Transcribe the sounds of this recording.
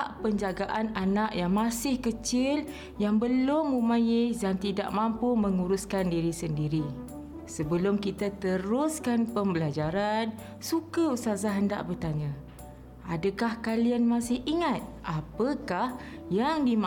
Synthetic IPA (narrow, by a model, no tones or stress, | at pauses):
aʔpəɲd͡ʒaɡaʔananaʔjaŋmasɪhkət͡ʃɪl | jaŋbəlʊmːumãjɪsdant̪ida̰ʔmampuməŋuɾʊskandiɾisəndiɾi | səbəlʊmkit̪at̪əɾʊskanpəmbəlad͡ʒaɾan | sukəusazaɦənda̰ʔbərt̪aɲã | adəkahkalianmasɪhiŋat̪̚ʔapəkahjaŋdim